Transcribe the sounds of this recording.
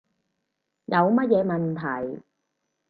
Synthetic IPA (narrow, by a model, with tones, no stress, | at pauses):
jɐ˨˧wmɐ˥t̚jɛː˨˧mɐ˨nt̪ʰɐ˨˩j